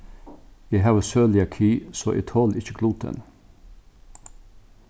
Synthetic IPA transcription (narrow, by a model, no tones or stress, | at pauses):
jɛɦɑːʋəsøːlɪɑkʰiːso̰ːʔɛ̰ːt̪ʰɔːlɪçəkʰluːt̪ʰə̰n